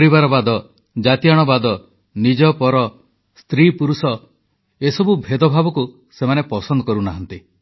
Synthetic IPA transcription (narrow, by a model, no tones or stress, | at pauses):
ɔɾibaɾɔbad̪ɔ | d͡ʒat̪ijaɽ̃ɔbad̪ɔ | nid͡ʒɔpɔɾɔ | st̪ɾipuɾusɔ | esɔbubʱed̪ɔbʱabɔku | semanepɔsɔnd̪ɔkɔɾunaɦɔnt̪i